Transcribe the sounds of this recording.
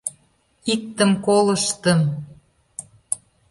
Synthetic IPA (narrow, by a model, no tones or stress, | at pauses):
ik̚t̪əmkolə̆ʃt̪əm